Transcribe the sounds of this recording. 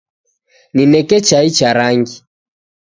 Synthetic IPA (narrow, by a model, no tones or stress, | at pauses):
ninɛkɛt͡ʃait͡ʃaɾaŋɡi